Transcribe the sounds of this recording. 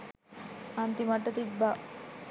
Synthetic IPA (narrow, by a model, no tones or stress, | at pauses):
ɐnt̪imɐʈːɐt̪ibːa